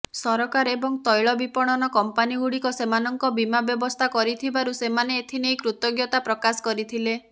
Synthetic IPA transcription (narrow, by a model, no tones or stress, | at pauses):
sɔɾɔkaɾebɔŋt̪ɔjɭɔbipɔɽ̃ɔnɔkɔmpaniɡuɽikɔsemanɔŋkɔbimabjɔbɔst̪ʰakɔɾit̪ʰibaɾusemaneːt̪ʰinejkɾut̪ɔɡjɔt̪apɾɔkasɔ̥kɔɾit̪ʰile